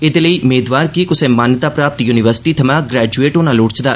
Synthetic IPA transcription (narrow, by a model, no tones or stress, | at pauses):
ɪd̪eːləiːʊmeːd̪ʋaːɾkiːkʊsẽːmaːnjət̪aːpɾaːp̚t̪juːnɪʋəɾsɪ̥ʈiːt̪ʰɐmãːɡɾɛːd͡ʒueːʈoːnãːlʊːɽt͡ʃd̪aː